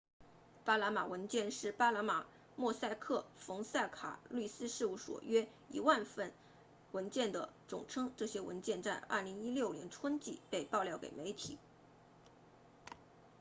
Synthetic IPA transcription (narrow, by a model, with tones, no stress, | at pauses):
pa˥la˧˥ma˨˩wə˧˥nt͡ɕjɛ˥˧nʂɻ̩˥˩pa˥la˧˥ma˨˩ | mwɔ˥˧sa˥˧ɪkʰɤ˥˩fɤ˧˥ŋsa˥˩ɪkʰa̰˨˩ly˥˩sɹ̩˥ʂɻ̩˥˧u˥˩ʂwɔ̰˨˩ɥɛ˥ | ḭ˨˩wa˥˧nfə˥˩n | wə˧˥nt͡ɕjɛ˥˩nd̪ə˩ʈ͡ʂʊ̰˨˩ŋʈ͡ʂʰɤ˥ŋʈ͡ʂɤ˥˩ɕjɛ˥wə̰˧˥nt͡ɕjɛ˥˧nt͡sa˥˧nʔɐ̰˞˥˩li˧˥ŋi˥ljo˥˩ʊljɛ̰˧˥nʈ͡ʂʰwə˥nt͡ɕi˥˩pe˥˧ɪpɑ˥˧ʊljɑ˥˩ʊkḛ˨˩ɪme˧˥ɪt̪ʰḭ˨˩˦